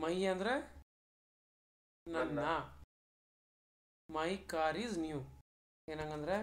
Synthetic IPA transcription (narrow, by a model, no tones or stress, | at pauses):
mɐiɐ̃nd̪ɾɛ | nɐnːa | maikaːɾizniju | enãŋɡɐnd̪ɾɛ